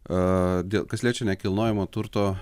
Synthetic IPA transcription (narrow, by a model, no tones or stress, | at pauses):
d̪ʲeːlˠkɐsʲlʲiːt͡ʃʲoːnʲɛkʲɪlˠnoːjɛmoːt̪ʊɾt̪oː